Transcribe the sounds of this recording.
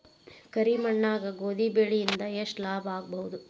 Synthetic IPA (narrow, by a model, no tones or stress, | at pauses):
kɐɾimɐɳːaːɡɐɡoːd̪ibeɭijind̪ɐjeʂʈlaːbaːɡ̚bɐɦud̪u